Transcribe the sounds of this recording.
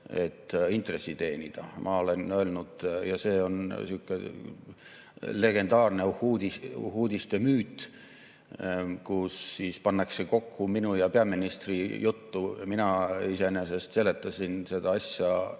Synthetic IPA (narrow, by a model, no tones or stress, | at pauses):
e̞̰t̪ːint̪re̞sːit̪e̞ːnʲid̪̥ɑ̰mʔɑ̰o̞le̞nø̞lnud̪̥jɑse̞ːo̞nsiːkːˑe | le̞ɡ̥e̞nd̪ɑːrne̞huːd̪ihuːd̪ʲist̪e̞myːt̪ˑ | kusːiːspɑnːɑkse̞ko̞kːuminujɑpeɑminist̪rijʔut̪ːuminɑise̞ne̞se̞st̪se̞le̞t̪ːˑɑsʲinse̞d̪̥ɑɑsjɑ